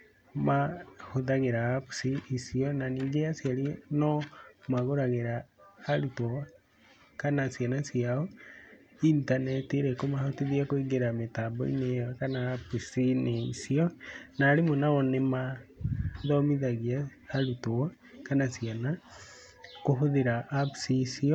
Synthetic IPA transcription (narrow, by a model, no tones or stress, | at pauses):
mahoðaɣeɾaapu̥siisiɔnaniːŋɡeasjaɾinɔmaɣoɾaɣeɾaːɾutoɔ | kanasjanasjiaɔ | intanɛteɾekomahotiðiakoeɡeɾametabɔ̰ḭnekanaːpsineisiɔnaːɾemonaɔnema | ðɔmiðaɣia | aɾutoa | kanasiana | koɦoðeɾaːpsisiɔ